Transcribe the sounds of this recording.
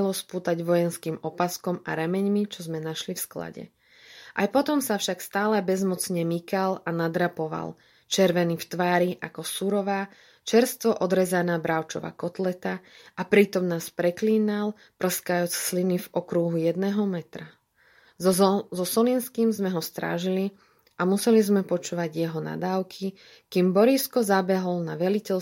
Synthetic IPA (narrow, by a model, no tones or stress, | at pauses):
lɔspuːt̪aɟʋɔjɛnskiːmɔpaskɔma̰ɾɛmɛɲmit͡ʃɔzmɛnaʃlifskla̰ɟɛ̰ | ʔa̰jpɔt̪ɔmsafʃakst̪aːlɛbɛzmɔt͡sɲɛmikalanad̪ɾapɔʋa̰l | t͡ʃɛɾʋɛnift̪ʋaːɾiʔakɔsuɾɔʋaː | t͡ʃɛɾst̪ʋɔʔɔd̪ɾɛzanaːbɾaʊt͡ʃɔ̰ʋa̰ːkɔt̪lɛt̪aʔapɾiːt̪ɔmnaːspɾɛkliːnal | pr̩skajut͡sslinivɔkɾuɦujɛd̪nɛːɦɔmɛt̪ɾa | zɔsɔliːnskiːmzmɛɦɔst̪ɾa̰ːʒili | ʔamusɛlizmɛpɔt͡ʃuːʋaɟjɛɦɔna̰d̪aːʊkʰi | kiːmbɔɾiskɔzabɛɦɔlnaʋɛlicɛl